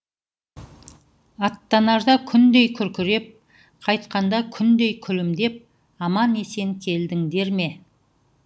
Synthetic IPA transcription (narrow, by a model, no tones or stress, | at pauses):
ɑt̪ːɑnɑʒd̪ɑkʲʰʏnd̪e̞jkʲʰʏɾkʲɪɾe̞p̚ | qʰɑjt̪qɑnd̪ɑkʲʰʏnd̪e̞jkʲʰʏlɪmd̪e̞p̚ | ɑmɑne̞se̞ŋkʲʰe̞ld̪ɪŋd̪e̞ɾme̞